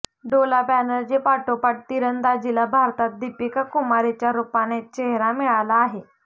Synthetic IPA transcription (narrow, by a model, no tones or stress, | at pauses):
ɖolapænəɾd͡ʑepaʈopaʈ̚t̪iɾənd̪ad͡ʑilabʱaɾt̪at̪̚d̪ipikakumaɾit͡ɕjaɾupanet͡ɕeɦɾamiɭalaːɦe